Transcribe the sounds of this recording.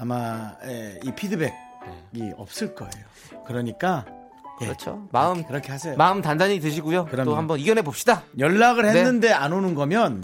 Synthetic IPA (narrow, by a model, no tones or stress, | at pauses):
amaeipʰidɯbek̚ | neɡḭʌ̰p̚s͈ɯɭk͈ʌ̰ḛjo | kɯɾʌɲik͈a | kɾʌt͡ɕʰo̰maɯmkɯɾʌkʰehasʰejmaɯmtandaɲitɯɕ̬ʰiɡujoɯtohambʌniɡʌnɦe̞bop̚ɕ͈idajʌɭːaɡɯɭhenenːɯnde̞anonɯnɡʌmjʌn